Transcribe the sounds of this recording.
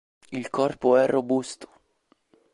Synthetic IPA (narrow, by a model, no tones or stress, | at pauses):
ilkʰɔrpoɛrːobust̪o̥